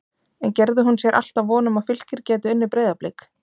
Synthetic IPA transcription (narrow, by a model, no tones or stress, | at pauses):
ɛncɛɾðɪɦunsjɛɾʔa̰l̥t̪avvɔːnʏmaðfʏl̥cɪɾcɛːt̪ʏʏnːɪpɾeːjðaplɪk